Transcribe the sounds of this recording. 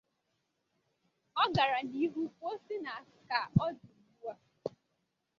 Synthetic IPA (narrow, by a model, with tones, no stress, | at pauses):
ɔ˦ɡa˨ɾa˨ni˦ɦu˦ko˦si˦na˨a˨sɪ̥˨˦ka˨ɔ˦du˨bu˦a˦